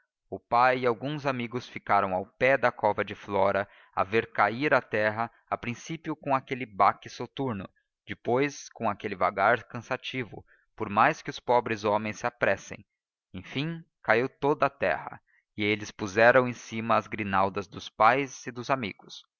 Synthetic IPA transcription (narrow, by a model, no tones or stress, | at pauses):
ʊpajiawɡũzamiɡʊsfikaɾɐ̃w̃awpɛd̪ɐkɔvɐd͡ʒɪflɔɾɐ | a̰veɾkaiɾɐt̪ɛɦɐ | apɾĩsipjʊkõakelɪbakɪsot̪uɾnʊ̰ | d͡ʒɪpojskõakelɪva̰ɡaɾkɐ̃sat͡ʃivʊ̰ | poɾmajskɪʊspɔbɾɪzomẽj̃sɪapɾɛsḛ̃j̃ | ẽj̃fĩŋ̃ | kaiwt̪od̪ɐat̪ɛ̰hɐ̰ | ɪelɪspuzɛɾɐ̃w̃ẽj̃simɐːzɡɾinawd̪ɐzd̪ʊspajzɪd̪ʊzamḭɡʊs